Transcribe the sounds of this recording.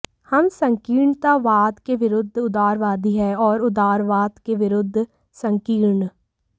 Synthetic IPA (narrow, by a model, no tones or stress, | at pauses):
həmsə̃ŋkiːɾɳt̪aːʋaːt̪keʋɪɾʊd̪ʱːʊd̪aːɾʋaːd̪iɦɛːɔːɾʊd̪aːɾʋaːt̪keʋɪɾʊd̪ʱː | sə̃ŋkiːɾɳ